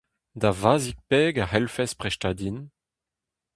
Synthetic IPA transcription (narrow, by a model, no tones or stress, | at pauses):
d̪avaːzik̚pɛːɡahɛlfɛspʁɛʃtaːd̪in